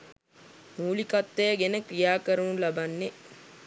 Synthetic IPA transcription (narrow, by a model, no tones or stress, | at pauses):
muːlikat̪ːeːɡenəkrijaːkəɾunulabanːe